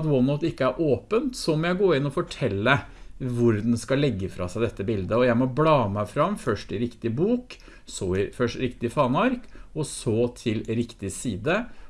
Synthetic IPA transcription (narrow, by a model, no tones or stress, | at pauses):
t̪wɔnəʊt̪ɪkːəæɾʔoːpənt̪sɔmɔjæɪɡoːɾɪnːɔfɔʈʰɛlːəʋʊɾd̪ɛn̩skɑlɛɡːəfɾɑ̰sæɪd̪ɛt̪ːəbɪld̪əɔjæɪmɔblɑːmæɪfɾɑmfœʂʈɪɾɪkt̪ɪbuːk | sɔɪfœʂɾɪkt̪ɪfɑːnɑɾkɔsɔt̪ʰɪlɾɪkt̪ɪsiːd̪ə